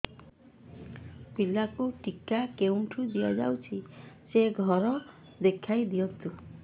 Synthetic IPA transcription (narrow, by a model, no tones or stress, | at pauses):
pilakuʈikakewɳʈʰud̪ijad͡ʒa̰wt͡ʃʰiseɡʱɔɾɔ | d̪ekʰajd̪iɔt̪u